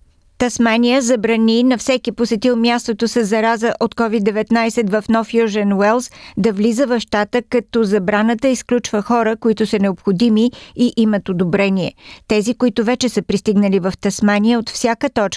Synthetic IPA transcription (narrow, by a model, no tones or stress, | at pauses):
t̪ɐsmanijəzɐbɾɐninɐfsɛkiposɛt̪ilˠmjast̪ot̪oʊsəzːɐɾazəʔot̪kɔvid̪ːɛvɛt̪najsɛt̪vɐfnɔfjuʒɛnwɛlˠsd̪ɐvlizəvɐfʃt̪at̪əkɐt̪ɔzɐbɾanət̪əisklʲut͡ʃvəxɔɾəkoit̪ʊsənɛopxod̪imiiʔimət̪od̪obɾɛniɛ̰t̪ɛzikoit̪ʊvɛt͡ʃɛsəpɾist̪iɡnəlivɐft̪ɐsmaniəot̪fsʲjakət̪ɔt͡ʃk